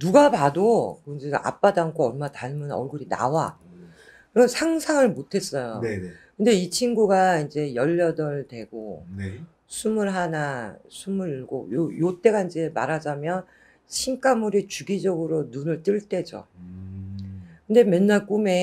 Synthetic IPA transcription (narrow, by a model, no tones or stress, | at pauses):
nuɡapadokɯnd͡ʑeʔa̰p͈adankʰoʌɭmataɭmɯnʌɭɡɯɾina̰wa | kɯɾʌnsʰaŋsʰaŋɯɭmotʰe̞s͈ʌjokɯnde̞it͡ɕʰinɡuɡaind͡ʑe̞jʌʎːʌdʌɭtwe̞ɡo̰ | sʰumɯɭɦanasʰumɯɾiɭɡo̰jojot͈e̞ɡaind͡ʑe̞ma̰ɾad͡ʑamjʌn | ɕʰiŋk͈amuɾit͡ɕuɡid͡ʑʌɡɯɾonunɯɭt͈ɯɭt͈e̞d͡ʑo̰ | kɯnde̞menːaɭk͈ume̞